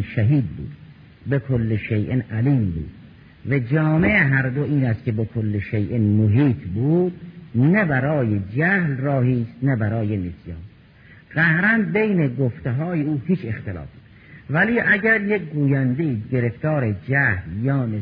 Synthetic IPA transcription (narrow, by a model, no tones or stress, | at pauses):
ʃæɦiːd̪̚bṵːd̪̥̚ | bekʰolːeʃejʔenʔæliːmbṵːd̪̥ | væd͡ʒɒːmeeɦæɾd̪oʔiːnæst̪̚kʰʲebekʰolːeʃejʔnmoɦiːt̪ʰbuːd̪̥næbæɾɒːjed͡ʒæhlrɒːɦiːst̪næbæɾɒːjenesjɑ̰ːn | ɣ̥æhɾænbejneɡoft̪eɦɒːjeuːhiːt͡ʃʰext̪elɒ̰ːf | væliːʔæɟæɾjek̚ɡuːjænd̪eiːɟeɾeft̪ɒːɾed͡ʒæhljɒːne